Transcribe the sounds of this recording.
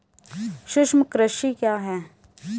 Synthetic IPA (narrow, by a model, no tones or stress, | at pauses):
ʃʊʃmkɾəʃikjaːɦɛː